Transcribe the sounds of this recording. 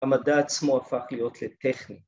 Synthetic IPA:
amadaːt͡smoafaχlijo̞tʰlete̞χni

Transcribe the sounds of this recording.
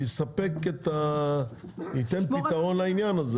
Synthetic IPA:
isɐpekːet̪ɐ | it̪ɐnpit̪ɐonlainjaːnɐz

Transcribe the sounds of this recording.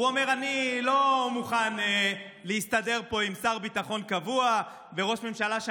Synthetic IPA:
uome̞ʁanilo̞muχan | leist̪ade̞ʁpo̞imsaʁbit̪aχo̞nkavua | veʁo̞ʃme̞mʃalaʃ

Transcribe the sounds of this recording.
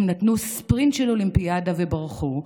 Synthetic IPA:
mnatnuspʁint̪ʃelolimpijadavebaʁχu

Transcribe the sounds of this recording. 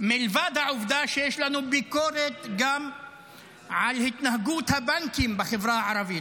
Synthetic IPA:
milvad̪haʕuvd̪aʃejeʃlanubiko̞ɾet̪ɡam | ʕalhit̪nahaɡut̪habaŋkimbeχevɾahaʕaɾavit̪

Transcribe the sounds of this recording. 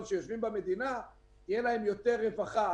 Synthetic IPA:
d̪ʃejo̞ʃvimbame̞d̪ina | ijelaɦe̞mjo̞t̪e̞ʁːevaχa

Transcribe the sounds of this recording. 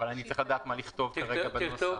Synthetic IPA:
valanitt͡sʁiχlad̪aːt̪maliχt̪o̞vtaʁeɡabe

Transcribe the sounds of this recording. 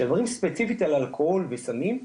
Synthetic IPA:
avaʁimspet͡sifit̪alalkʰoholvesamim

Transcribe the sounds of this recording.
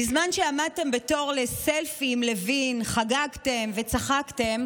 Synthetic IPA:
bizmanʃeamad̪̚te̞mbe̞to̞ʁle̞selfimle̞vinχaɡaɡte̞mve̞t͡saχakte̞m

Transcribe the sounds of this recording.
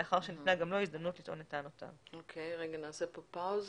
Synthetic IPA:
eaχaʁʃenitnaɡamlo̞izd̪ɐmnutlitʔo̞netanota̰vokʰejʁeɡanaːsepopawz

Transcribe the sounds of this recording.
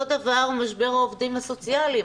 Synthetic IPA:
od̪avaʁmaʃbe̞ʁaovd̪imaso̞t͡siali

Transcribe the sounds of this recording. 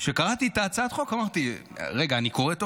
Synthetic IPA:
ʃe̞kaʁat̪it̪aːt͡sat̪χo̞kamaʁt̪iʁeɡaːniko̞ʁet̪o

